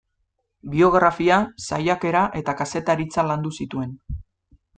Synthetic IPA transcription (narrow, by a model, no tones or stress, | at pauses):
bio̞ɣɾafiasajake̞ɾaʔe̞t̪akase̞t̪aɾit͡saland̪usit̪ue̞n